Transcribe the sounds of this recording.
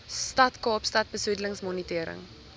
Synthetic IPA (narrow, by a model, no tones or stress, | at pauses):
stɐtkɑːpstɐt̚bəsudələŋsmɔnitiəɾə̰ŋ